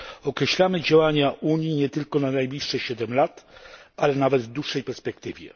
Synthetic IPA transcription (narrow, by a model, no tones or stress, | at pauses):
ɔkɾɛɕlamɘd͡ʑawaɲaʔuɲjiɲɛt̪ɘlkɔnanajblʲiʂːɛɕɛd̪ɛmlat̪alɛnavɛd̪vd̪uʂːɛjpɛɾspɛk̚t̪ɘvʲjɛ̰